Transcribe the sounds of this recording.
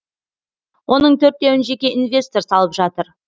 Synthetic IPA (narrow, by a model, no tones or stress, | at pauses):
wo̞nəɴt̪ʰɵɾt̪ːe̞wɪnʒe̞kʲe̞ʔinvʲe̞st̪o̞ɾsɑlˠəpʒɑt̪əɾ